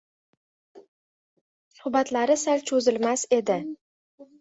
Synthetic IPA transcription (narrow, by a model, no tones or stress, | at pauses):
sʊhbat̪laɾɪsalt͡ʃʰɵzɪlmase̞d̪ɪ